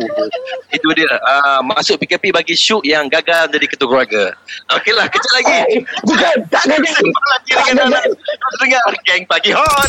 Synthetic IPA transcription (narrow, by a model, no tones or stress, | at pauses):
it̪udiəʔəmasʊʔ̚pikəpibaɡiʃuʔjaŋɡaɡald͡ʒadikət̪ukɾuaɡaokelahkət͡ʃaʔlaɡid͡ʒuɡat̪aʔɡanisəŋlakidəŋananaʔdasəŋaɡɛŋpaɡiɦɔ